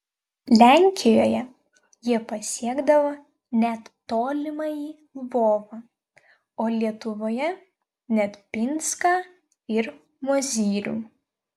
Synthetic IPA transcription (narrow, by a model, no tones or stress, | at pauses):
lʲæˑŋʲkʲɪjoːjɛ | jiɛpɐsʲiɛɡd̪ɐʋoː | nʲɛt̪ːoːlʲɪmɑjiː | ʋoːʋɑ | oːlʲiɛt̪ʊʋoːjɛ | nʲɛt̪pʲɪnskɑː | ɪɾ | moɔzʲiːɾʲṵː